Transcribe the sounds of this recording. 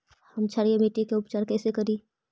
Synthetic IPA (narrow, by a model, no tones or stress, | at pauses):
həmt͡ʃʰaɾijemiʈikeʊpt͡ʃaːɾkɛːsekəɾi